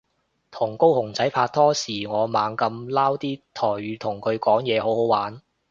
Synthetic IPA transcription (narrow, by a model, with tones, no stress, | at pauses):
t̪ʰʊ˨˩ŋko˥whʊ˨˩ŋt͡sɐ˨˥jpʰaː˧t̚t̪ʰɔː˥siː˨˩ŋɔː˨˧maː˨˧ŋkɐ˧mlaː˥wt̪iː˥t̪ʰɔː˨˩jɥyː˨˧t̪ʰʊ˨˩ŋkʰɵ˨˧ɥkɔː˨˥ŋjɛː˨˧ho˨˥who˨˥waː˨˥n